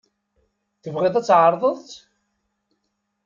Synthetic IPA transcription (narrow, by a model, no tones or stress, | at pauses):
θəvʁeðˤæt͡sːʕəɾˤðˤəðˤt͡s̪